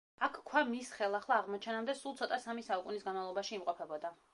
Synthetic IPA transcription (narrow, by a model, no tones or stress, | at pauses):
akʰkʰwamisχɛlˠaχlˠaːʁmɔt͡ʃʰɛnamd̪ɛsulˠt̪sʰɔt̪ʼasamisaukʼunisɡanmavlˠɔbaʃiːmqʼɔpʰɛbɔd̪a